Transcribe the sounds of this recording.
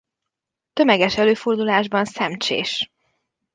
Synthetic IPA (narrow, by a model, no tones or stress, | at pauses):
t̪ø̞mɛɡɛʃɛløːford̪ulaːʒbɒnsɛmt͡ʃḛːʃ